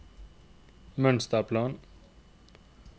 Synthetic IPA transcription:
mənst̪aplaːn

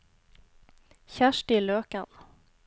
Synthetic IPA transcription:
çæʃʈiːløːkən

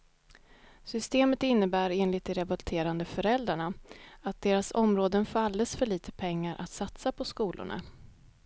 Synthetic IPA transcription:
sʏst̪eːmət̪ɪnːəbæːɾeːnlɪt̪ɪɾɛbɵlt̪ʰeːɾand̪əfœɾɛld̪ɾaɳaat̪̚d̪eːɾasɔmɾoːd̪ənfalːəsfœɭiːt̪ʰəpʰɛŋːaɾʔa̰t̪sat̪sapʰɔskuːlʔʊ̰ɳa̰

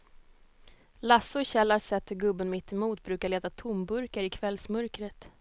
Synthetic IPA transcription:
lasːʊɕɛlːaɾsɛt̪ːhɵɾɡɵbːənmɪt̪ʰːɪmuːt̪̚bɾʉ̟ːkaɭeːt̪at̪ʰʊmbɵɾkəɾɪkʰvɛlsmœɾkɾət̪

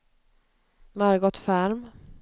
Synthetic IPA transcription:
maɾɡɔt̪fæɾm

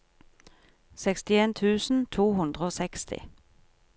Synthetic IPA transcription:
sɛkst̪ɪeːnt̪ʰʉːsn̩t̪ʰuːhʉnd̪ʁəoːsɛkst̪ʰɪ̰

